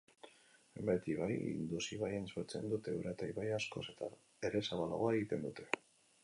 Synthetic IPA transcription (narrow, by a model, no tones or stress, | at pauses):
embet̪iβajḭnd̪usiβajensot͡se̞̰nd̪ut̪e̞uɾʔat̪aiβajasko̞̰se̞t̪a | eɾe̞saβala̰ɣoae̞ɣit̪e̞nd̪ut̪e̞̥